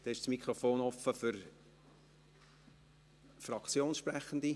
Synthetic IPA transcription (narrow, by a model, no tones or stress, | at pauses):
d̪̥ɛɪʃsmikχɾɔfoːnɔfəfʏɾ | frɑkt͡sjoːnsʃprɛχənd̪i